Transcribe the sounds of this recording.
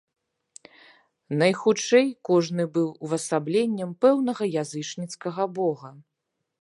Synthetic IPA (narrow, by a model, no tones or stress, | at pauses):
nɐjxut͡ʂɛjkɔʐnɨbɨwvɐsablʲenʲːɐmpɛwnɐɣɐjazɨt͡ʂnʲit̪skɐɣɐbɔɣɐ